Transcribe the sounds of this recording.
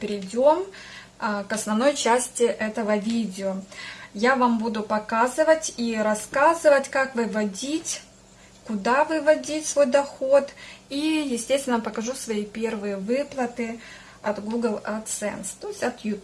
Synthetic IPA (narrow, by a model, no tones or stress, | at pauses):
pɾʲɪdʲom | kɐsnɐvno̞jt͡ɕæsʲtʲɪʔɛt̪əvəvʲidʲɪojavambud̪ʊpɐkazɨvətʲiɾɐskazɨvətʲkakvɨvɐdʲitʲ | kʊd̪avɨvɐdʲitʲsvo̞jd̪ɐxo̞t̪ijɪsʲtʲest̪vʲɪnəpəkɐʐusvɐipʲe̞rvɨjəvɨplˠət̪ɨ | ɐt̪ɡuɡəlˠɐt̪sɛ̰nst̪o̞ɪsʲtʲɐt̪jut̪